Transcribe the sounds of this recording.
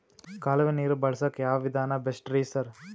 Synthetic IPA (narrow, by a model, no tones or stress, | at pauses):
kaːlɐʋeniːɾubɐɭɐsɐkjaːʋɐʋid̪ʱaːnɐbesʈɾiːsɐɾ